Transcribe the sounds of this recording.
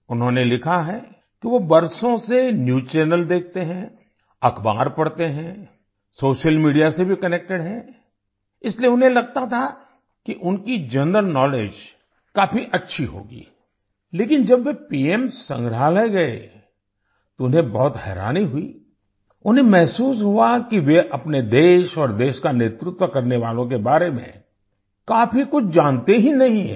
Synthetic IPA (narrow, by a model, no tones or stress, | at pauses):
ʊnɦõnelɪkʰaɦɛ | kiʋobɐɾsõsenjuːt͡ʃɛːnəld̪eːk̚ʰt̪eɦɛ̃ | ɐkʰba̰ːɾpɐɽt̪eɦɛ̃ | soːʃəlmiːɖijasebʱikɐneːk̚ʈeɽɦɛ̃ | ɪslieʊnɦẽlɐɡ̚t̪at̪ʰa | kiʔʊnkid͡ʒɐ̃ndəɾnɔːleːd͡ʒ | kaːpʰiʔɐtːʃʰiɦo̰ːɡḭː | leːkɪnd͡ʒɐbʋepiːemsɐ̰̃ŋɡɾaːlaɡɐḛ | t̪oʊnɦẽbɔɦʊt̪ɦɛ̰ːɾa̰ːniɦʊḭː | ʊnɦẽmɛɦsuːsɦuakiʋeʔɐpned̪eːʃɔːɾd̪eːʃkanet̪ɾɪt̪wəkɐɾneʋaːlõk̬ebaːɾemḛ̃ | kaːfikʊt͡ʃʰd͡ʒaːnt̪eɦinɐɦĩɦɛ̰